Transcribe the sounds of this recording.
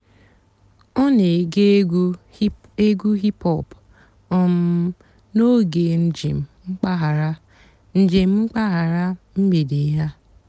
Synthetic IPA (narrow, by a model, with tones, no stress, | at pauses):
ɔ˦ne˨ɡe˦ | e˦ɡu˦ɦi˦pɔ˨p | ɔ˦m̩˦ | no˦ɡe˨n̩˦d͡ʒḭ˨m̩˨ŋ͡m̩˦k͡pa˦ɦa˨ɾa˦ | n̩˦d͡ʒe˨m̩˦ŋ͡m̩˦k͡pa˦ɦa˨ɾa˦m̩˦me˨de˨˦ɦa˦